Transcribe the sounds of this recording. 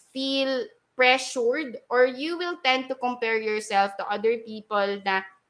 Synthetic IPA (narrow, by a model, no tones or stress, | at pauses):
fil | pɹɛʃuɹd̪ʔɔɹjuwɪlt̪ɛ̃nd̪̚t̪ʊkɔ̃mpɛɹjɔɹsɛlft̪ʊʔɐd̪əɹpiːpɔlnɐ